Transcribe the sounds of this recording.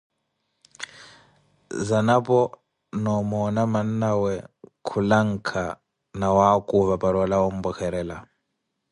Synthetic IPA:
zanapʼɔ | nɔmɔnamannawɛkʰulaŋ̩kʰa | nawakʼuβapaɺɔlaom̩bɔkɛɾɛːla

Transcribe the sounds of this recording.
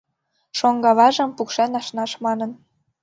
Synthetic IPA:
ʃoŋɡɑβɑʒə̆mpukʃenɑʃnɑʃmɑnɤn

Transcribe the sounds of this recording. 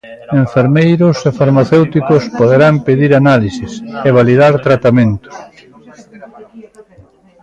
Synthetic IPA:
eɱfeɾmejɾʊsefaɾmaθewt̪ikʊspoðeɾampeðiɾanalisɪseβ̞aliðaɾt̪ɾat̪amẽnt̪ʊ̥s

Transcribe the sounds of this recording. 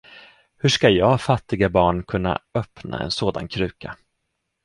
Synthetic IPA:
hɵʂkajɑːfat̪ːɪɡabɑːɳkʰɵnːa̰œpna̰ɛ̰nsoːd̪ankʰɾʉ̟ːka

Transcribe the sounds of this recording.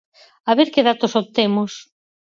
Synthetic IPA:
aβeɾkeðat̪osot̪emos

